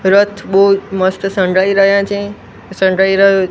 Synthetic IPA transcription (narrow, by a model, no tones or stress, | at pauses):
ɾət̪ʰɓomɐst̪sə̃ɳɖɾaiɾɐɦijãt͡ʃẽ | sə̃ɳɖaːiɾɐɦjo